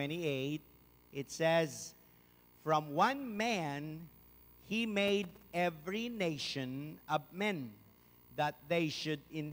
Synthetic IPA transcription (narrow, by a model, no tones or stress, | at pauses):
ɛ̃ɾ̃ieɪt̪̚ | ʔɪt̪sɛz | fɹʌ̃mwʌ̃nmæ̃n | himeɪd̪ɛvɹineɪʃɔ̃nʌvmɛ̃n | ðət̪̚ðeɪʃʊdɪ̃n